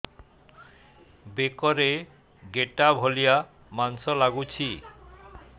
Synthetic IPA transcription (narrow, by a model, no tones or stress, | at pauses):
bekɔɾe | ɡeʈabʱolija | mansɔlaɡut͡ɕʰi